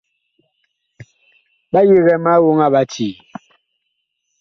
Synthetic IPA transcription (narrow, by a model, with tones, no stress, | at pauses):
ɓa˦ji˦ɣɛ˨ma˦wu˦ŋa˦ɓa˨tiː˨